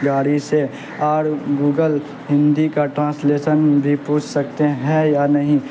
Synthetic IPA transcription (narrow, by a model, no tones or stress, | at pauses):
ɡaːɾise | aːɾɡuːɡəl | ɦɪ̃nd̪ikaʈɾãːsleːʃənbʱipuːt͡ʃʰsɐk̚t̪eɦɛ̃janɐɦĩ